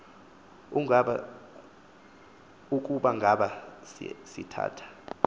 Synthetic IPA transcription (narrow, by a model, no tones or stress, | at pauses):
uŋaɓa | uk̬ʼuɓaŋɡʱaɓassḭtʰa̰ːtʰḁ